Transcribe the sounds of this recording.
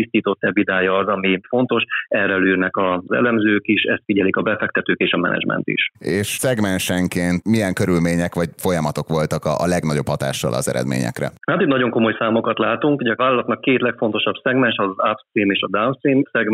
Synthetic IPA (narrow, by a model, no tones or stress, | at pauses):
ist̪iːt̪o̞t̪ːɛbid̪aːjɒːzɒmifo̞nt̪o̞ʃɛrɛlyːrnɛkɒzɛ̰lɛmzøːkiʃɛst̪fiɟɛlikɒbɛfɛk̚t̪ɛt̪øːkeːʃɒmɛ̰nɛ̰d͡ʒmɛ̰nt̪ḭʃeːʃsɛɡmɛnʃɛŋkeːnt̪mijɛŋkø̞ɾylmeːɲɛkʋɒɟfo̞jɒmɒt̪o̞kʋo̞lt̪ɒkɒʔlɛɡnɒɟo̞phɒt̪a̰ːʃːɒ̰lʔɒ̰zɛ̰ɾɛ̰d̪mḛːɲɛ̰krɛ̰nat̪it̪nɒɟo̞ŋko̞mo̞jsaːmo̞kɒt̪laːt̪uŋkɟɛɒvaːlɒlɒt̪nɒkːeːt̪lɛkfo̞nt̪o̞ʃɒbsɛɡmɛnʃɒzzapimeːʃɒd̪awnsiːmsɛɡ